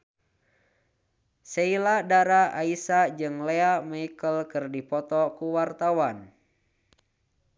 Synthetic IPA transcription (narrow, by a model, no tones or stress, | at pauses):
seiladaɾaaisad͡ʒɨŋleamaikəlkɨrdipɔt̪ɔkuwart̪awan